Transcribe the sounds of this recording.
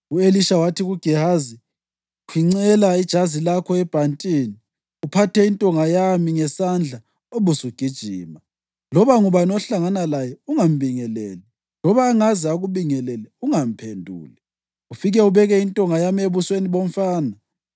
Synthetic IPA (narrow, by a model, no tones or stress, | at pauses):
ueliʃawatʰiɣuɡ̥ʱɛhazi | kʰwiŋ͡ǀɛlaid̥ʒ̥ʱazilakʰɔɛb̥ʱantʼiːni | upʰatɛintʼɔŋajamiŋɛsand͡ɮʱa | oβusuɡ̥ʱid̥ʒ̥ʱiːma | lɔβaŋuβanɔɬaŋanalajɛuŋam̩βiŋɛlɛːlɛ | lɔβaːŋazɛaɣuβiŋɛlɛlɛuŋam̩pʰendʱṵːlɛ | ufiɣɛuβɛɣɛintʼɔŋajamieβusweniβoɔm̩faːna